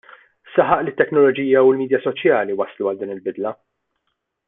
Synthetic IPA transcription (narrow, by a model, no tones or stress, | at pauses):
sɐħɐʔlɪt̪ːɛknɔlɔd͡ʒiːjɐulmiːd̪jɐsɔt͡ʃjɐːliwɐsluɐld̪iːnɪlbɪd̪lɐ